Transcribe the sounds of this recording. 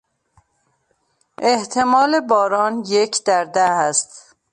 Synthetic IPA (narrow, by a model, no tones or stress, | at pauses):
ʔeht̪ʰe̞mɒːlebɒːɾɒːnjecʰd̪̥æɾd̪ææst̪